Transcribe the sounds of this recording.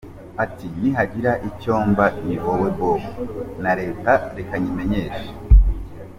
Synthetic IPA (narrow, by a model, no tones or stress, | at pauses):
atiniɦaɟiɾaʔico̞ːmbaimiβowebowunaɾe̞ːtaɾekaɲimeɲeːʃḁ